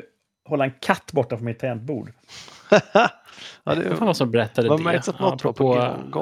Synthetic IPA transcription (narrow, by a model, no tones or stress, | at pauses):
hɔlːaɛnkʰat̪ːbɔʈːafɾɔmɪt̪ʰːɛːnt̪̚bṵːɖ | ɑ̰d̪ɛfaːnvasɔmbɛɾɛt̪ːad̪ɛmɛɾsat̪nɔɾpoɡ